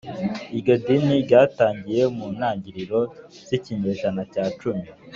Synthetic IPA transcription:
iɟo̞diniɟaːtaːɲɟije̞muːnaːɲɟiɾiɾo̞ | z̥iciɲeʒanacaːt͡ʃumi

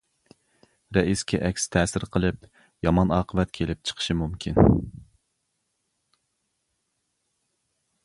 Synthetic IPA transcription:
ɾɛiskʲʰɛʔɛkʲst̪ʰɛːsɪɾqʰəlˠɨp | jɑmɑnɑːqʰəvɛt̪kʲʰelɪp̚t͡ʃʰə̥qʰə̥ʃɨmumkʲʰin

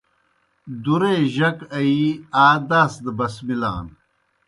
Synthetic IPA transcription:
d̪uɾeːʑɐkɐiaːd̪aːsd̪ɐbɐsmila̰ːn

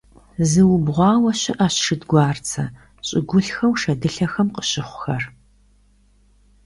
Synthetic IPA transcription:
zɨwʊbʁʷɑːwɐɕɪʔɐɕʂɨdɡʷɑːrt͡sʰɐ | ɕʼɪɡʷʊɬxɐwʃɐdɨɬɐxɐmqə̥ɕɪχʷʊxɐr

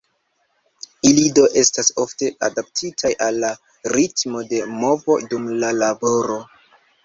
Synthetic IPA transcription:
ilido̞ʔe̞staso̞fte̞a̰dap̚tʰitʰajʔalːa | ɾitmo̞de̞mo̞vo̞̰dumlalabo̞ɾo̞

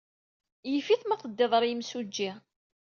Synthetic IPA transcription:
jəfiθmɑqˤəd̪ːɪðˤəɾˤjəmsud͡ʒːiʁ

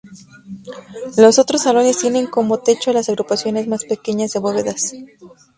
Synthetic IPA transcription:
lo̞so̞t̪ɾo̞salo̞ne̞st̪je̞nẽ̞ŋko̞mo̞t̪e̞t͡ʃoalasaɣɾupasjo̞ne̞zmaspe̞ke̞ɲazðeβeβe̞ðas

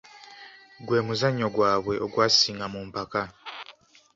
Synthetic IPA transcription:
ɡwe̞ːmuzaɲːo̞ɡwaːβwe̞ʔo̞ɡwaːsiːŋɡamuːmpaka

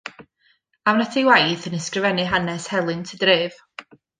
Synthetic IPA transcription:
awnatʰiwajθənəskrɨvɛnɨɦanɛshɛlˠɨntʰədreːv̥

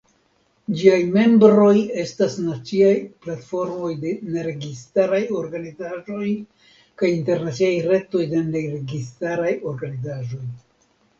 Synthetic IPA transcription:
d͡ʒiajme̞mbɾo̞je̞stasnat͡siajplatfo̞ɾmo̞jde̞ne̞ɾe̞ɡistaɾajo̞ɾɡanizaʒo̞j | kajinte̞ɾnat͡siajɾe̞to̞jde̞neɾe̞ɡistaɾajo̞ɾɡanizaʒo̞j

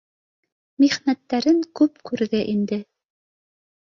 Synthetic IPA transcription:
miʁnæt̪ːæɾɘŋkʉpkʉɾðɘʔind̪ɘ

